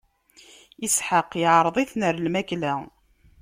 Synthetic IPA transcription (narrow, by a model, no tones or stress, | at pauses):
isħəqːjʕɾˤðˤiθnəɾlmæklæ